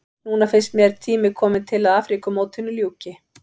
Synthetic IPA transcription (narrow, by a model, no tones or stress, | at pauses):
nuːnafɪnst̪mjɛɾt̪ʰiːmɪkʰɔːmɪnt̪ʰɪlaðaːfɾikʏmoːwt̪ʰɪnːʏljuːcɪ